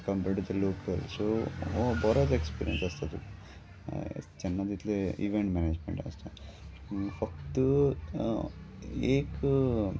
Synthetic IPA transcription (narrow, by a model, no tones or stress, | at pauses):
kɐmpeʈd̪ɐloːkelsoobɔːɾɐsekspḭːɾḭjḛnsɐst̪ɐt̪uk | t͡ʃɛnːɐd̪it̪leiʋeɳʈmaːneːd͡ʒmḛɳʈɐ̰st̪ɐ | fɐkt̪u | eːk